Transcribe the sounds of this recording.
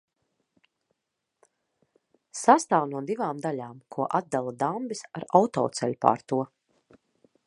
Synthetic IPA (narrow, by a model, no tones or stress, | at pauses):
sast̪aːwnuɔd̪ivaːmd̪alʲaːmkʰuɔʔad̪̚d̪alˠad̪ambisa̰ɾawt̪ɔ̰ːt̪sɛlʲpa̰ːɾt̪uɔ